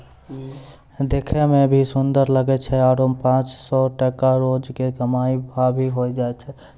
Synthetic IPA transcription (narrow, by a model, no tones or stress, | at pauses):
d̪ekʰɛmebʱisund̪əɾləɡɛt͡ʃʰɛaɾompãt͡ʃsɔʈəkaɾod͡ʒkeɡəmaibʱabʱiɦojd͡ʒaɛt͡ʃʰɛ